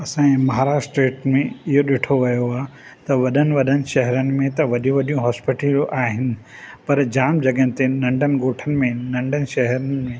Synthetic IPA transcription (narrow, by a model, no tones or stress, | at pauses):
ɐsãmɐɦaːɾaːʃʈɾeːʈmẽɪɦoɗɪʈʰoʋɐjoaːɦe | t̪ɐʋɐɗənɪ̆ʋɐɗənɪ̆ʃɐɦɛɾənɪ̆mẽt̪ɐʋɐɗijũʋɐɗijũɦɔːspɪʈəlʔaːɦɪnɪ̆ | pɐɾd͡ʑaːmd͡ʑɐɠəɦnɪt̪enɐ̃ɳɖənɪ̆ɡoːʈʰənɪ̆mẽnɐ̃ɳɖənɪ̆ʃɐɦɛɾənɪmẽ